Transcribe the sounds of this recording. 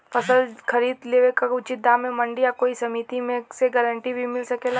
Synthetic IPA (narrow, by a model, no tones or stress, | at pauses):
fɐsəlkʰɐɾiːd̪leːʋekaʊt͡ʃɪt̪̚d̪ãːmːẽmɐ̃ɳɖijakoːisɐmit̪imẽseɡəɾəɳʈibʱimɪlsɐkela